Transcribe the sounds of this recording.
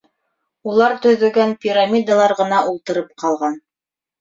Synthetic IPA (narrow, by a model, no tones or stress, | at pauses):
ulˠɑɾt̪ɵ̆ðɵ̆ɡænpʲiɾamʲid̪alˠɑɾʁɤ̆nɑʔulˠt̪ɤ̆ɾɤp̚qɑlˠʁɑn